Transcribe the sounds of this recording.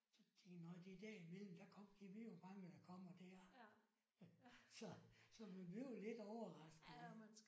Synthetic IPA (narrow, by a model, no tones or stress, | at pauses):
sɒ̽dʰeŋnɒɪd̥ed̥æɐimel̰m̩d̥ækʰɒ̽m̰ɡ̥iʋijob̥ɑ̈ŋəd̥ækʰɒ̽m̰ɐd̥æɐ̰ | sɒ̽sɒ̽ʋiʋyʊle̝d̥ɒʊɐʁɑ̈sɡ̥ð̩ˠ